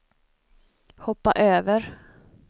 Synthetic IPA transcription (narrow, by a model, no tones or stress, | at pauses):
hɔpːaʔøːvəɾ